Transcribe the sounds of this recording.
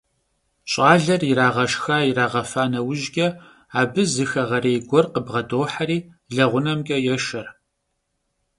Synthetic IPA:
ɕʼaːɮɐrɪɾaːʁɐʃxaːjiraːʁɐfaːnɐwʒɡʲʼɐ | aːbɨzɨxɐʁɐɾeːjɡʷɔrqəbʁɐdoːħaɾiː | ɮɐʁʷʊnɐmkʲʼɐjɛʃɐr

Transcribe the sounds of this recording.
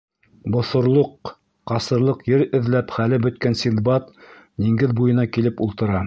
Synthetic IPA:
bŏθŏɾlˠoqː | ɑsɤ̆ɾlˠɤqjɘɾɘ̆ðlæpχælɘbɵ̆t̪̚kænsʲinbɑt̪niŋɡɘðbujɤ̆nɑkilɘpulˠt̪ɤ̆ɾɑ

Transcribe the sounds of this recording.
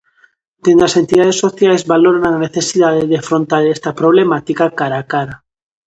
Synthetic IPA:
d̪̥end̪oasent̪iðað̞esoθjajzβaloɾananeθesiðaðeðeafɾõnt̪aɾest̪apɾoβ̞lemat̪ikakaɾakaɾa

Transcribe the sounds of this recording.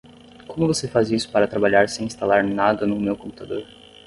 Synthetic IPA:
kõmʊvosefazisʊ̥paɾɐt̪ɾabaʎaɾsẽĩst̪alaɾnad̪ɐnʊmewkõmput̪ad̪oɾ

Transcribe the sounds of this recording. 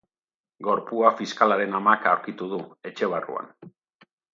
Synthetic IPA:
ɡo̞ɾpuafiskalaɾe̞namakawɾkit̪uðue̞t͡ʃe̞βarṵa̰n

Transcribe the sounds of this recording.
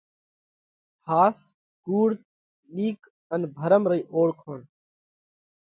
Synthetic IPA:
pʰaːs | ɡ̥uːɽ | liːk | ənbʱəɾəmɾəiʔoːɽkʰoːn

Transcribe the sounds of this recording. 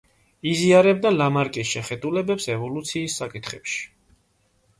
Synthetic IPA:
iziaɾɛbd̪alamaɾkʼisʃɛχɛd̪ulɛbɛpsɛvɔlut̪sʰiːsːakʼit̪ʰχɛpʃi̥

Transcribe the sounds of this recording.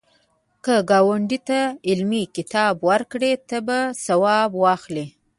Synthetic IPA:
kəɡɑwaɳɖit̪aɪlmikɪt̪ɑbwaɾkɽet̪əbasawɑbwɑxli

